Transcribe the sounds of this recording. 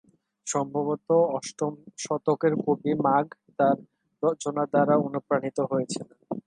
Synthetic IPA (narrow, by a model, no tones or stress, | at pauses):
ʃɔmbʱaβot̪oɔʃʈomʃɔt̪okeɾkobimaɡt̪aɾ | ɾɔt͡ɕonad̪aɾaonopɾanit̪oɦojet͡ɕʰilan